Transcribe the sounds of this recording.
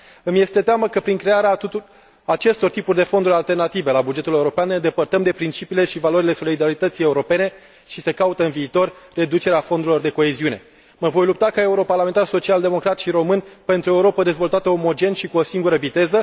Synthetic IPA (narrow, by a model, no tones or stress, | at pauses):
ɨmje̞st̪e̞t̪eaməkəpɾiŋkɾe̞aɾeaː | t͡ʃe̞st̪o̞rt̪ipurʲd̪e̞fo̞nd̪uɾʲalt̪e̞rnat̪ive̞labud͡ʒe̞t̪ule̞uɾo̞peanːed̪e̞pərt̪əmd̪e̞pɾint͡ʃipiːle̞ʃivalo̞ɾile̞so̞lid̪aɾit̪ət̪sije̞uɾo̞pe̞ne̞ | ʃise̞kaut̪əɨnviːt̪o̞rre̞d̪ut͡ʃe̞ɾeafond̪uɾilo̞rd̪e̞ko̞eziune̞ | məvo̞jlup̚t̪akae̞uɾo̞parlame̞nt̪arso̞t͡ʃiald̪e̞mo̞kɾat̪ʃiɾo̞mɨnʲpe̞nt̪ɾuoe̞uɾo̞pəd̪e̞zvo̞lt̪at̪əomo̞d͡ʒe̞nʃikuosiŋɡuɾəvit̪e̞zə